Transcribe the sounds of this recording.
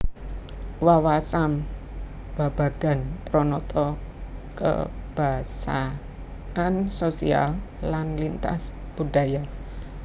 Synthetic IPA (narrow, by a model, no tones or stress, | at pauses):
wawasam | b̥a̤b̥a̤ɡ̥a̤npɾɔnɔt̪ʰɔkə̰b̥asa | ansosḭa̰lːanlint̪a̰s | b̥ud̥a̤ja